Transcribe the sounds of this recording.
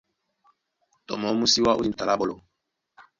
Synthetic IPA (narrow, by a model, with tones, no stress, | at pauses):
tɔ̰˨mɔ˨˦mu˦si˦wa˦ʔu˦i˦˨ta˨la˦ɓo˨lo˨